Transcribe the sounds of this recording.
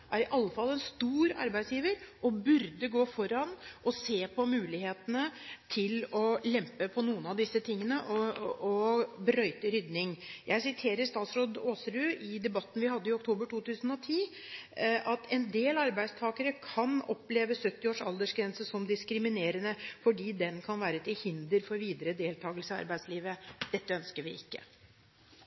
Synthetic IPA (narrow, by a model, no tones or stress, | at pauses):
ʔæɾɪʔɑlːəfɑlːɛnst̪uːɾɑ̰ɾbæɪd̪sjiːʋəɾʔɔbʉɾd̪əɡoːfɔɾɑnʔɔseːpʰɔmʉːlɪheːt̪ənət̪ʰɪlɔlɛmpəpʰɔnuːənɑʋd̪ɪsːət̪ʰɪŋːənəʔɔɔbɾœʏt̪əɾʏd̪nɪŋjʔæɪsɪt̪ʰeːɾəɾst̪ɑːt̪sɾoːd̪oːsəɾʉːʔɪd̪ɛbɑt̪ːn̩ʋɪhɑd̪ːəɪɔkt̪ʰoːbəʈʰuːt̪ʰʉːsən̩ɔt̪ʰiː | ɑt̪ʰɛnd̪eːlɑɾbæɪd̪st̪ʰɑːkəɾəkʰɑnɔpleːʋəsœt̪ːɪoːʂɑld̪əʂɡɾɛnsəsɔmd̪ɪskɾɪmɪneːɾənəfɔɖiːd̪ɛnkʰɑnʋæːɾət̪ʰɪlhɪnd̪əɾfɔɾʋiːd̪əɾəd̪eːlt̪ʰɑːɡəlsəɑ̰ɾbæɪd̪sliːʋəd̪̥ɛt̪ːəœnskəɾʋɪɪkːə̰